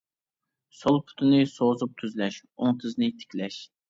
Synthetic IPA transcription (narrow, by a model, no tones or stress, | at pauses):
solˠpʰʊ̥t̪ʰɨnɨsoːzup̚t̪ʰyzlɛʃoŋt̪ʰɨznɨt̪ʰɪ̥kʲʰlɛʃ